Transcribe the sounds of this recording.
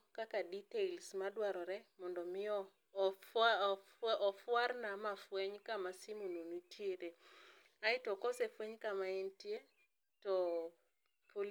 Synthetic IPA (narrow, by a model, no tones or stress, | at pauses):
kakaditeilsmadwaɾɔɾɛmɔndɔmɪɔ | ɔfwarnamafweɲkamasimononutʰjeɾe | aɪtɔkɔsefweɲkamaintje | tɔ | pol